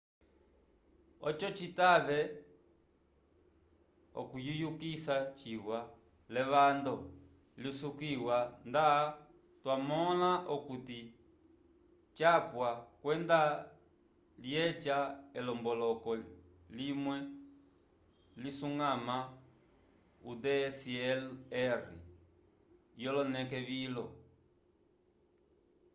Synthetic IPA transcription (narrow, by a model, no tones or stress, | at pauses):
ɔt͡ʃɔt͡ʃitaβɛ | ɔ̰kujujukisat͡ʃiwa | lɛβand̪ɔ | lisukiwanda | twamɔlaʔɔkuti | t͡ʃapwakwɛnda | ljɛt͡ʃaɛlɔmbɔlɔkɔ | limwɛ | lisuŋɡama | udɛsɛlɛɾḭ | jɔlɔnɛkɛβilɔ